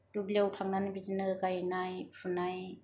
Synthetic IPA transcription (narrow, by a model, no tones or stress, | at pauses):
dublewtʰaŋnanbid͡ʒinɯkajnajfʰunaj